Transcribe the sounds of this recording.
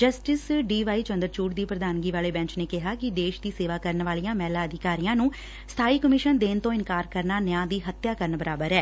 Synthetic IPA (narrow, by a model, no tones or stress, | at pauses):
d͡ʒəsʈɪsɖiːʋaːiːt͡ʃənd̪əɾt͡ʃuːʈd̪iːpɾəd̪aːnɡiːʋaːleːbɛ̃ːɲt͡ʃneːkɪɦaːkɪd̪eːʃd̪iːseːʋaːkəɾənʋaːlijãːmɛːlaːəd̪ʱɪkaːɾijãːnũː | st̪ʰaːiːkəmɪʃənd̪eːnt̪õːɪnkaːɾkəɾnaːnəjãːd̪iːɦət̪jaːkəɾənbəɾaːbəɾɛː